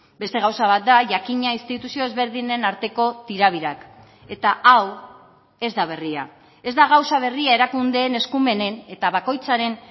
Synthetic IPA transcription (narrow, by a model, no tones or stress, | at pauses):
be̞st̪e̞ɣ̞awsaβ̞at̪̚d̪aʝakiɲainst̪it̪usio̞e̞zβe̞ɾð̞ine̞naɾt̪e̞ko̞t̪iɾaβ̞iɾak | e̞t̪aaw | e̞zd̪aβ̞e̞ria̰ | e̞zd̪aɣ̞awsaβ̞e̞riae̞ɾakund̪e̞ːne̞skume̞ne̞ne̞t̪aβako̞jt͡saɾe̞n